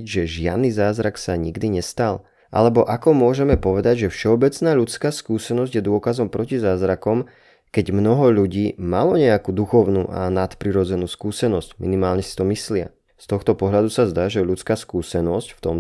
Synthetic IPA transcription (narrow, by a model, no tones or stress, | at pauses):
ʒɛʒɪa̰d̪nizaːzɾaksaɲiɡd̪iɲɛst̪al | ʔa̰lɛbɔʔakɔmʊɔʒɛmɛpɔʋɛd̪aɟʒɛfʃɛɔbɛt͡snaːʎut͡skaːskuːsɛnɔzɟjɛd̪ʊɔkazɔmpɾɔcizaːzɾakɔm | kɛɟmnɔɦɔʎuɟiːmalɔɲɛakud̪uxɔʊnṵːʔa̰nat̪pɾiɾɔd͡zɛnuːskuːsɛnɔzcmḭnimaːlɲɛsi̥t̪ɔmislɪa̰ | st̪ɔxt̪ɔpɔɦʎad̪usazd̪aːʒɛʎut͡skaːskuːsɛnɔscft̪ɔm